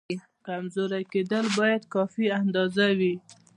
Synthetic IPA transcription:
kamzoɾaked̪əlbɑjad̪kɑfiand̪ɑzawi

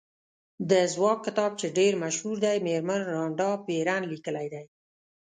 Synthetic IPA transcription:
d̪əzwɑkːɪt̪ɑb̚t͡ʃeɖeɾmaʃhuɾd̪ajmeɾmənɾɑɳɖɑpeɾanlikəlajd̪aj

